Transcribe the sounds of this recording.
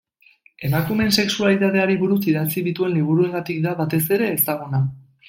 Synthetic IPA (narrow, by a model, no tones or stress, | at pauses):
e̞makume̞nse̞ksualit̪aðe̞aɾiβuɾusiðat͡siðit̪ue̞nliβ̞uɾue̞ŋɡat̪ikd̪aβat̪e̞se̞ɾe̞ːst̪aɣ̞una